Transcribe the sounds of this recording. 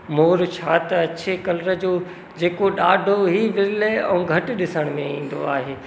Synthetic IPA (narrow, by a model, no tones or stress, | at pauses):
moːɾt͡ɕʰaːt̪ɐt͡ɕʰekɐlɾə̆d͡ʑoː | d͡ʑeːkoɗaːɖʱoɦiʋɪɾleɛũːɡʱɐʈ̆ɗɪsəɽ̃mẽĩːn̆d̪o̰a̰ːɦeː